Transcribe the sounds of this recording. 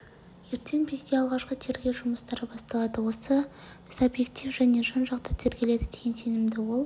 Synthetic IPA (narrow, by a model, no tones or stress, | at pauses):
je̞ɾt̪ʰe̞ŋpʰezd̪eɑlˠʁɑʃqət̪ʰe̞ɾɡʲe̞ʒʊməst̪ɑɾəbɑst̪ɑlˠɑd̪əwo̞sə | subje̞kt̪ifʒæne̞ʒɑnʒɑqt̪ɑt̪ʰeɾɡʲe̞le̞d̪ɪd̪eɡʲense̞nɪmd̪ɪwo̞lˠ